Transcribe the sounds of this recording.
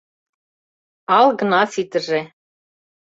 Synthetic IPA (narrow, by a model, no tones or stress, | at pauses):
ɑlˠɣɤ̆nɑfit̪ɘ̆ʒĕ